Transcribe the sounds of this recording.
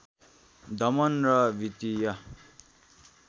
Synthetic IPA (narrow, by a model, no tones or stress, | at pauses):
d̪ʌmʌnrʌbʱit̪ijʌ